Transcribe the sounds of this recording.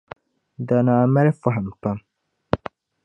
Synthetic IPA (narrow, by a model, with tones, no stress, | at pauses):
da˨naː˨ma˦ɾfa˦ɦa˨m˨pa˦m